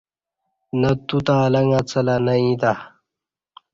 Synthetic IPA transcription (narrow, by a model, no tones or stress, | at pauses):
nɐt̪ut̪aːlɐŋat͡sɐlanɐĩd̪a